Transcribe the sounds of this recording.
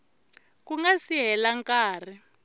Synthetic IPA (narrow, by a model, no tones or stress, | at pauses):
kuŋɡasiɦɛlaŋkaːr̤i